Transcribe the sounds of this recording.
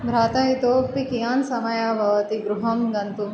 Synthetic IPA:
bʱɾaːt̪aɦit̪oːpikijaːnsɐmɐjaːbʱɐʋɐt̪iɡɾuɦɐmɡɐnt̪u

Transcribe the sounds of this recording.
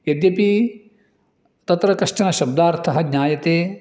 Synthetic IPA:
jɐd̪jɐpi | t̪ɐt̪ɾɐkɐʂʈɐnɐʃɐb̚d̪aːɾt̪ʰɐɦɐɡɲaːjɐt̪eː

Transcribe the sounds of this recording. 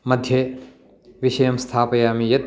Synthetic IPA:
mɐd̪ʱjɐ | ʋiʃɐjɐmst̪ʰaːpɐjaːmijɐt̪

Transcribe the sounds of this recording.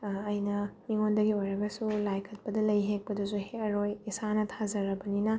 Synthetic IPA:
jnɐmiŋondɐɡiojɾɐɡɐsulajkʰɐt̚pɐdɐlɐjɦek̚pɐdusuheɐɾojisanɐtʰazɐɾɐbɐninɐ

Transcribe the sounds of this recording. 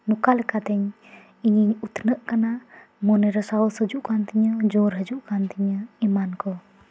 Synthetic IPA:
nukalɛkat̪ɛɲ | iɲiɲut̪nəʔkana | mɔnɛɾəsaɔsəd͡ʒuʔkant̪iɲəd͡ʒɔɾɦəd͡ʒuʔkant̪iɲəimankɔ

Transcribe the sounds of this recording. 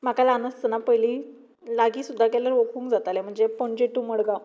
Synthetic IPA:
m̤akalanəst̪ənapəjli | laɡiːsud̪ʱːakɛləɾʋokuːŋkd͡zat̪alem̤əɳd͡zepɔɳd͡ʑeʈuməɽɡa

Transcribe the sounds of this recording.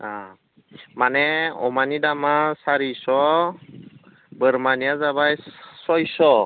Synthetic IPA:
a | manɛɔ̰manidamasaɹisɔ | bəɾmanijazaβajsɔjsɔ

